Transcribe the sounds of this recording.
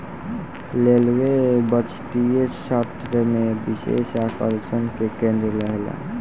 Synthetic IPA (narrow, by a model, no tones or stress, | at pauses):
lelwebət͡ʃʈijeʃat̪ɾəmẽbɪʃḛʃakəlsənkekẽnd̪ɾələɦela̰